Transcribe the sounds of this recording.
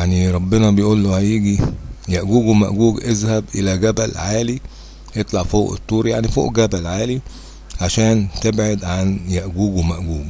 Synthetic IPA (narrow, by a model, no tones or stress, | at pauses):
jaʕniɾˤɑbːɪnɑbejʔuːlːohæjiːɡijæʔɡuːɡwemæ̰ʔɡuːɡʔezhæbʔelæɡæbælʕaːli | ʔet̪ˤlɑʕfoːʔet̪ˤːuːɾijaʕnifo̰ːʔɡæbælʕaːli | ʕaʃæːnt̪ebʕed̪ʕanjæʔɡuːɡwemæʔɡuːɡ